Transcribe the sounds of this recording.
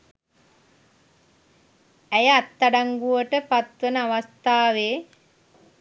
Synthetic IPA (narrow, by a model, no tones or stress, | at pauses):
æjəat̪ːaɖaŋɡuʋəʈəpat̪ʋənəaʋast̪aːʋeː